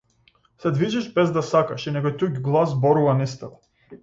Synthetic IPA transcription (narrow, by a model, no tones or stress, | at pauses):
sɛd̪viʒɛʃbɛzd̪asakaʃinɛkɔjt̪uɡɡlˠazbɔɾuvanist̪ɛɔ